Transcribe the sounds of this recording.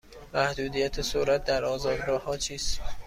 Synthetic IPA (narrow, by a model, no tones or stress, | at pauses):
mæhd̪uːd̪ijæt̪ʰesoɾæt̪̚ʰd̪æɾɒːzɒːd̪ɡɒːhɒːt͡ʃʰiːst̪